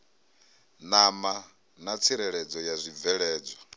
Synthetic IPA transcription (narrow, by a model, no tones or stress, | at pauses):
nama | nat͡sʰiɾɛɺɛd͡zɔjazʷib̪vɛɺɛːd͡zɔ